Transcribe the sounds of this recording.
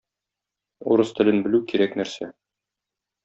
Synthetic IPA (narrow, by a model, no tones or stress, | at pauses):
ṵɾɤst̪ɘ̆lɘnbɘ̆lʉkiɾæknæɾsæ